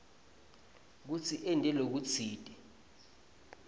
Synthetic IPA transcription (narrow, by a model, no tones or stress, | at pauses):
k̬ut͡sʰiʔɛndʱʼɛlok̬ut͡sʰiːd̥ʼɛ